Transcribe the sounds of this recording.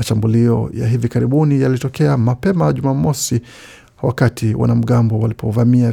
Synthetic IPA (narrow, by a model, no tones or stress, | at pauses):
aʃambuliɔ̰ja̰ɦivikaɾiɓunijalitɔkɛamapɛmaʄumamɔsi | wakatʰiwʔa̰nam̩ɠambɔwalipʰɔvamia